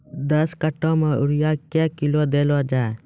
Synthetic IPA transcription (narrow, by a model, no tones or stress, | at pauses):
d̪əskəʈõːmeʊɽɪjakekɪlod̪eːlod͡ʒaːe